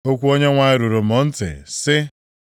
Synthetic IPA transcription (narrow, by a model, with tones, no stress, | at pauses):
o˦kʷu˦o˦ɲe˦ŋʷa˨ɪ˦ɾu˨ɾo˨m̩o˨n̩˦tɪ̰˨sɪ˦